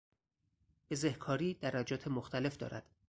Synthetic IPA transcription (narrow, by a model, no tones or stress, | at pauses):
b̥e̞zehkʰɒːɾiːd̪æɾæd͡ʒɒːt̪ʰe̞moxt̪ʰæle̞fd̪ɒ̰ːɾæ̰d̪̥